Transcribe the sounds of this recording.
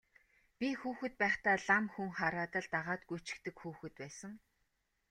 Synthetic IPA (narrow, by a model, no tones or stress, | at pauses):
pʲixuːxɘ̆t̪̚pæːχt̪aːɮamxuŋχaɾaːt̪ə̆ɮt̪aʁaːt̪ɡujʰt͡ɕɪ̥̆kt̪ɘ̆kxuːxɘ̆t̪̚pæːsə̆ŋ